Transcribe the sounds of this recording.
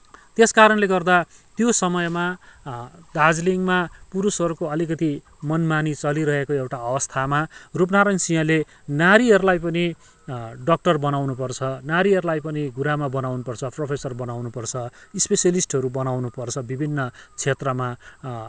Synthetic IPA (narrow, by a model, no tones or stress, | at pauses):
t̪eskaɾʌnleɡʌrd̪at̪josʌmʌjma | d̪ad͡zliŋmapuɾusɦʌɾukoʌlikʌt̪i | mʌnmanit͡sʌliɾʌɦekoewʈaʌwʌst̪ʰamarup̬naɾʌnsiʌ̃le | naɾiɦʌɾulajp̬ʌni | ɖʌk̚ʈʌrbʌnawnupʌrt͡sʰʌnaɾiɦʌɾulajpʌniɡuɾamabʌnawnupʌrt͡sʰʌpropʰesʌrbʌnawnupʌrt͡sʰʌispesjʌlisʈɦʌɾubʌnawnupʌrt͡sʰʌbibʱinːʌt͡sʰet̪rʌma